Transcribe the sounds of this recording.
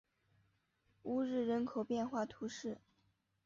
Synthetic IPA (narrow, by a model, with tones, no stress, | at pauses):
u˧˥ɻɻ̩˥˩ɻə˧˥nkʰo˨˩ʊpjɛ˥˧nxwa˥˩t̪ʰu˧˥ʂɻ̩˥˩